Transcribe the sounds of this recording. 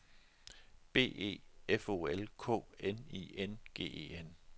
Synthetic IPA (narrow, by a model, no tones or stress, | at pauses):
b̥e̝̰ːe̝̰ːefo̝̰ːelkʰɔ̰̽ːenḭenɡ̥e̝̰ːḛːen